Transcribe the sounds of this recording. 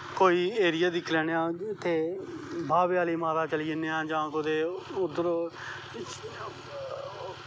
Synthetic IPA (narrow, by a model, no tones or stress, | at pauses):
koːiːeːɾɪjaːd̪ɪkʰlɛːɽ̃eãːɪt̪ʰːeːbʱaːbɪjaːliːmaːɾaːt͡ʃəliːneːãːd͡ʒãːkʊd̪eːʊd̪əɾoː